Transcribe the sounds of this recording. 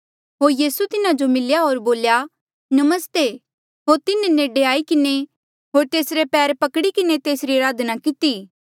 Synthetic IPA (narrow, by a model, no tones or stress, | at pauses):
ɦoːɾjiːsut̪ɪnãd͡ʒomɪljaɦoːɾboːlja | nɐməst̪e | ɦoːɾt̪ɪneneːɖeaːikɪne | ɦoːɾt̪eːsɾepɛːɾpɐkɽikɪnet̪eːsɾiɐɾaːd̪ʱnakɪt̪iː